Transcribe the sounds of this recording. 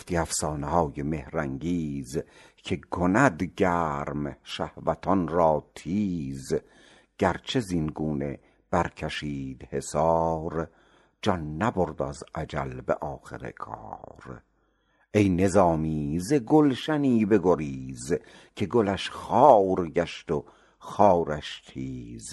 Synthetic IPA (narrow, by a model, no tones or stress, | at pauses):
oft̪iːæfsɒːnehɒːjeme̞hɾæŋɟiːz | cʰe̞ɡʰonæd̪ɟæːɾmʃæhvæt̪ʰɒnɾɒːt̪ʰiːz | ɟ̥æɾt͡ʃʰe̞zinɡuːne̞ | b̥æɾkʰæʃiːd̪̥he̞sɒːɾ | d͡ʒɒnːæboɾd̪æ̰zʔæd͡ʒælbḛʔɒːxḛɾḛkʰɒ̰ːɾ | ejne̞zɒːmiːzeɡolʃæniːbe̞ɡoɾiːz | cʰe̞ɡolæʃχɒːwɾɟæʃt̪o | xɒːɾæʃt̪ʰiːz